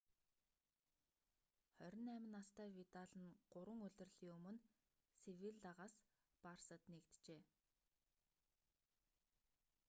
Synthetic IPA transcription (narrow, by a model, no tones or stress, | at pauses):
χœɾʲɪ̆næmʲɪ̆nast̪æːwit̪aɮə̆nɢ̥ʊɾwə̆ŋɵɮʲɵ̆rɮiːŋɵmɵ̆n | sewiɮt̪aʁaːs | parsə̆t̪nekt̪t͡ɕeː